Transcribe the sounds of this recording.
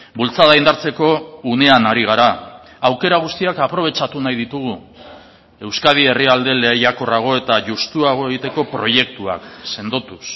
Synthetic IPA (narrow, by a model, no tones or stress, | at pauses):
bult͡saðajnd̪aɾt͡se̞ko̞une̞anaɾiɣ̞aɾa | awke̞ɾaɣ̞ust̪iakapɾo̞β̞e̞t͡ʃat̪unajðit̪uɣu | e̞wskaðie̞riald̪e̞le̞ːjako̞raɣ̞o̞e̞t̪aʝust̪uaɣ̞oeɣit̪e̞ko̞pɾo̞je̞kt̪ua̰kse̞nd̪o̞t̪us